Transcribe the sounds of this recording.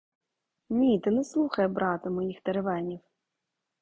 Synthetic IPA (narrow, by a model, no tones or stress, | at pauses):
nʲit̪ɨnɛslˠuxɐjɛbɾat̪ɐmɔjixt̪ɐɾɛvanʲiw